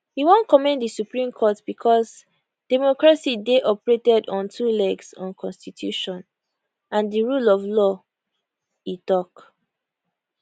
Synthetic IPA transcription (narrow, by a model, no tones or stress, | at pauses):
hiwõnkɔmɛ̃ndisupɹĩmkʰɔtb̥ikʰɔs | d̥ɛmɔkɹasideʔɔpɹetɛdɔ̃ntʰulɛɡsɔ̃nkʰɔ̃nstitʰjuʃɔ̃n | ãndiɹulɔvlɔ | itɔk